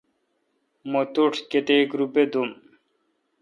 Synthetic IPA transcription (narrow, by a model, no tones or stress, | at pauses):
mot̪uʈʰket̪eːkɾubed̪um